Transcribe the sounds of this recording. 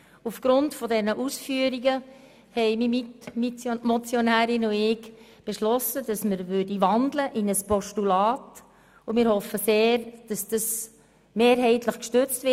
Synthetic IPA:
ufɡ̥ɾʊntfɔdɛnəʔusfyəɾiɡə | hɛɪmimitmit͡smɔt͡sjonæːɾɪnuɪk | b̥eʃlɔsədɑsməɾvʏdiʋɑndləʔɪnəspɔʃtulɑːt | umɪːɾhɔfːəseːɾd̥ɑsd̥əs | meːɾɦɛɪtləχkʃtʏt͡stvɪ

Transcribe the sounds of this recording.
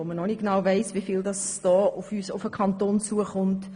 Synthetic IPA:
omənɔniɡ̥enɑʊvɛɪsʋifildɑsd̥ɔːʊfyːsʊfəkʰɑntoːnt͡suəχʊnt

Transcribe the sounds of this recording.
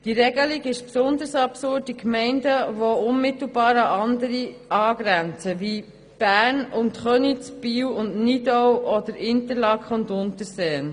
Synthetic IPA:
d̥iɾɛɡəliɡɪʃpsʊnd̪əɾsɑpsʊrt̚ːikmɛɪndəvoʊnmɪt̪l̩bɑːɾɑʔɑndəɾi | ɑːɡ̥ɾænt͡səvi | b̥æːɾnʊntχœnit͡sb̥iːwʊndnidɔwɔd̪əɾɪnt̪əɾlɑkχʊndʊnt̪əɾsɛːən

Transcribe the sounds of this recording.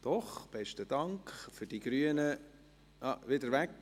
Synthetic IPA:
d̪̥ɔχb̥ɛʃtəd̥̪ɑŋkχfʏd̥iɡ̥ɾyənə | ɑʋɪdəɾʋæk

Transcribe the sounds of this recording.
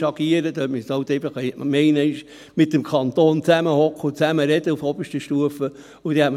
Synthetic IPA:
ɑɡ̥iəɾəd̪œːtməsɑʊt̪ɛɪfəχɛmɛɪnəɪʃ | mɪt̪ːəmkʰɑnt̪oːnt͡sæməhɔkχʊt͡sæməɾɛd̪əufɔbəʃtəʃtuəfə | ud̥̪ɛhɛtm

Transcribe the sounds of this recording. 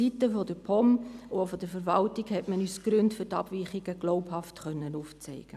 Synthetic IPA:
itəfɔdəpʰɔmofɔd̥əfəɾvɑltiɡhɛtmənyːsɡ̥ɾʏntfʏɾtɑb̥viːχɪɡəɡ̥loʊphɑftχœnːənuft͡sɛɪɡ̥ə

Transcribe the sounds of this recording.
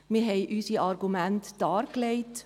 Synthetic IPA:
miɦɛɪʔyːsiɑɾɡumɛnt̪d̪̥ɑːɾkleɪt̪

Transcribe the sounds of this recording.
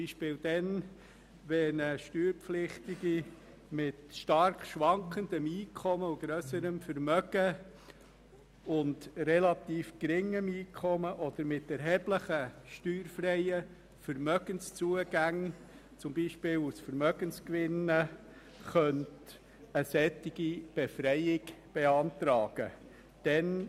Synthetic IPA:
iːʃpɪːld̥̪ɛn | ʋɛnəʃtyːɾpflɪχtɪɡi | mɪtʃtɑɾkʃʋɑŋkχənd̪əmiːkʰɔməuɡɾœsəɾəmfəɾmœɡ̥ə | ʊndɾɛlɑt̪iːfkɾɪŋːəmiːkʰɔməʔɔd̪̥əɾmɪt̪ɛɾɦɛːb̥ləχəʃtyːɾfrɛjə | fəɾmœɡənst͡suəɡ̥æŋ | t͡sʊmbiːʃpɪːlusfəɾmœɡ̥ənskʋɪnə | χœnt | əsɛtːɪɡ̥ib̥ɛfɾɛjɪɡb̥eɑntɾɑːɡ̥ə̰ | d̥ɛn

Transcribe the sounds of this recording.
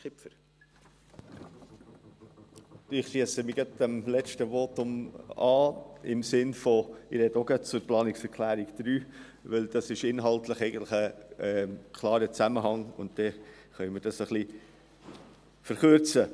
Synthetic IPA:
kɪpfəɾ | ɪχʃiəsəmiɡɑd̚ɛmlɛt͡ʃtəʋoːtʊmɑːɪmsɪnfɔɪɾɛdoɡɑt̚t͡sʊɾplɑːnɪksɛɾkʰlæːɾɪɡ̥d̪̥ɾyː | ʋɪld̥ɑsɪʃɪnɦɑltləχɛɪɡəntlɪχə | kʰlˠɑːɾət͡sæməɦɑŋʊ̰ntd̥ɛ | χœʏmɪɾdɑsəχli | fəɾχʉɾt͡sə

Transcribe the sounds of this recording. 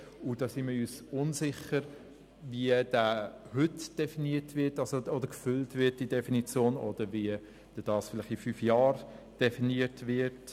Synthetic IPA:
ud̥ɑːsiməyːsʊnsɪχəɾ | viəd̥æːhʏtd̥ɛfiniətvɪtɑlsoɔdəɾkfʏltvɪɐt̚d̥idɛfinit͡sjoːnɔd̥əɾviə | d̥ɛd̥ɑːsfɪlɪχifyːfjɑːɾ | d̥ɛfiniətvɪt

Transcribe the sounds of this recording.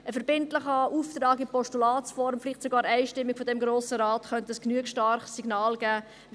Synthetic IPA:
əfɛɾb̥ɪntləχɑuːft̪ɾɑːɡɪpɔstulɑːtsfɔɾmfliχtsoɡɑːɾæɪʃtɪmːiɡ̥fɔdɛmɡɾoːsəɾɑːtχœntəəsknyəkʃtɑɾχsiɡnɑːlɡ̥æː

